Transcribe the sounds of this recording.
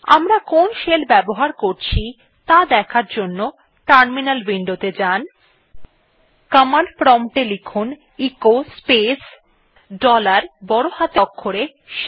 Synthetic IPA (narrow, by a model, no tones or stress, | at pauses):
a̰mɾakonʃelbɛboɦaɾkoɾt͡ɕʰi | t̪ad̪ɛkʰaɾd͡ʑonːo | ʈaɾminalwiɳɖot̪ed͡ʑan | kamanpɾɔmʈelikʰun | ikospes | ɖɔlaɾbɔɾohat̪ɔkʰːoɾe | ʃ